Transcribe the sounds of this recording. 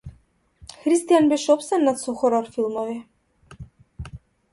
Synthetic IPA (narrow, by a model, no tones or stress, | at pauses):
xɾist̪ijanbɛʃɔpsɛnːat̪sɔxɔɾɔɾfilˠmɔvi